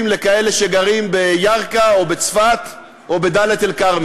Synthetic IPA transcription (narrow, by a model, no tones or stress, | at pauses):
mlekae̞le̞ʃeɡaʁimbe̞jaʁkaobet͡sfat̪ | obe̞d̪alet̪elkaʁm